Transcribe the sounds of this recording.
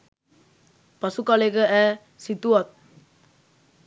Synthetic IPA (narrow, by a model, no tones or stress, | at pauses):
pasukalekəʔɛ | sit̪uɔt̪̚